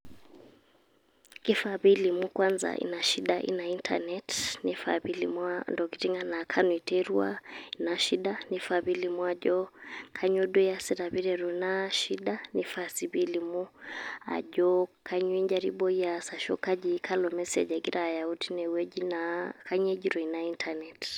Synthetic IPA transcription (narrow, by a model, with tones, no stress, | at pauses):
ki˦faβili˨mu˦kwanza̰ʔḭ˦na˨ʃi˦ɗaʔḭ˦na˨i˦ntʰa̰nɛtni˦fa̰˨βilḭmwandɔ˨ki̥˨ti˦ŋɡa˦na˨kʰa˦nwi˨tɛɾu˦a̰˦i˨na˨ʃi˦ɗani˨faβi˦li˨mua˨ʄɔ˦kʰaɲɔ˦ɗu˦jasɛ˦ɾa˨βi˦ɾɛɾunaʃiɗani˦fasiβilimu˦a̰˨ʄɔkʰa˦ɲwi˦ɲd͡ʒa˨ɾḭɓɔ˦i˦asa˨ʃɔ˦ka˦d͡ʒikʰa˦lɔmɛ˦sɛ̰˨d͡ʒaɡi˦ɾʔaːjauti˦nɛwɛ˦d͡ʒinaka˦ɲɛ˦d͡ʒiɾɔ˨inai˦ntʰanɛt